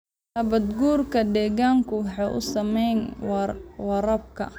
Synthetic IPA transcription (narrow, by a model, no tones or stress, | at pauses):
nɐβɐd̪ɡuːrkʰɐd̪ɛːɣaːŋkʰʊwɑħɑjʔʊ̰sɐmɛjn | wɑɾɐb̚kʰɐ̰